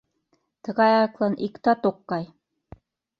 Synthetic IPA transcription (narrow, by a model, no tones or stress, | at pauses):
t̪ɤ̆ɣɑjɑklˠɑnʔikt̪ɑt̪oqːɑj